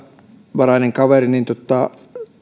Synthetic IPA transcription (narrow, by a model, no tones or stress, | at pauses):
ʋɑɾɑneŋkɑʋeɾinint̪ot̪ːɑ